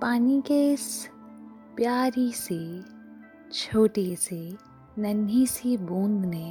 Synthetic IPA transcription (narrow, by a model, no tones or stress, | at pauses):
paːnikeɪs | pjaːɾise | t͡ʃʰoːʈese | nɐnisibõːnd̪ne